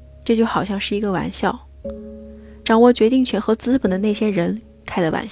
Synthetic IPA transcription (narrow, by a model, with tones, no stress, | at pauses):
ʈ͡ʂɤ˥˧˩t͡ɕjo˥˩ʊxɑ˨˩ʊɕjɑ˥˧ŋʂɻ̩˥˩i˧˥ɡə˧wa̰˧˥nɕjɑ˥˩ʊ | ʈ͡ʂɑ˨˩ŋwɔ˥˩t͡ɕɥɛ˧˥t̪i˥˩ŋt͡ɕʰɥɛ˧˥nxɤ˧˥t͡sɹ̩˥pə˨˩nd̪ə˦ne˥˩ɪɕjɛ˥ɻə˧˥n | kʰa˥˩ɪd̪ə˨wa̰˧˥n